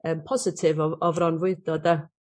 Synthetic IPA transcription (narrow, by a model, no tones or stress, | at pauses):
əːmpʰɔsɪtʰɪvɔɔvrɔnvwɪdɔda